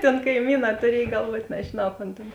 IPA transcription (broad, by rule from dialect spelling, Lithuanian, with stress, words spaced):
tʲeːn kɐɪˈmʲiːˌnɑː tʊˈrʲiɛj ɡɐlˠˈʋuɔt nʲɛʒʲɪˈnɐʊ koːn ˈtʲeːn